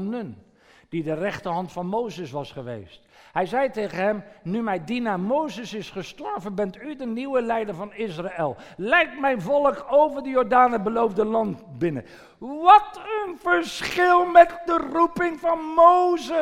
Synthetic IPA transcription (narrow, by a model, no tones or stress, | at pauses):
nən | d̥idərɛχtəɹɦɑntfɑnmowzəsʋɑsχəʋḛjst | ɦɛjzɛjtejχənɦɛmnymɛjdinaːɹmowzəsɪsχəstɔɹvənbɛntydəniwəlɛjdəɹvɑnɪsraɛlˠ | lɛjk̚tmɛjnvɔlˠəkowvəɹdəjɔːɹdaːnəbəlowvdəlɑntbɪnə̰ | ʋɑtənvəɹsχɪlˠmɛtdərupɪŋvɑnmowzə